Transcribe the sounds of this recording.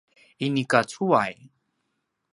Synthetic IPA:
inikat͡suaj

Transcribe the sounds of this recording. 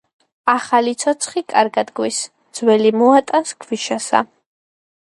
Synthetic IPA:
aχalit̪sʰɔt̪sʰχikʼaɾɡad̪ɡwis | d̪z̥wɛlimɔat̪ʼaskʰwiʃasa̰

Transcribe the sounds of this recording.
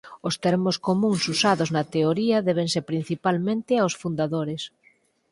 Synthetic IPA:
ʊst̪ɛɾmoskomũŋsusaðʊznɐt̪eoɾiɐðɛβ̞eŋsepɾin̟θipalmẽnt̪ɪaosfund̪aðoɾɪs

